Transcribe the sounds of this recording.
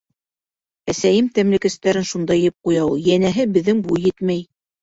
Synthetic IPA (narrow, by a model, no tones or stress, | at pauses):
æsæjɘmt̪æmlɘ̆kæst̪æɾɘnʃund̪ɑjjɘp̚qujɑwjænæɦɘbɘ̆ðːɘŋbujjɘt̪mæj